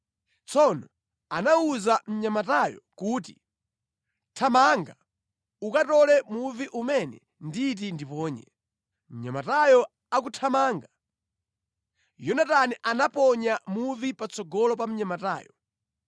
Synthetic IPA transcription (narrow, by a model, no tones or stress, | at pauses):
t͡sʰɔnɔ | anauzam̩ɲamatajɔ̰kuːt̬i | tʰamaŋɡa | ukatɔlɛmuviʔumɛnɛ̰ | ndit̬indipɔːɲɛ | m̩ɲa̰matajɔ | akutʰamaːŋɡa | jɔnataniʔanapɔɲamuvipat͡sɔɡɔlɔp̬am̩ɲamata̰ːjɔ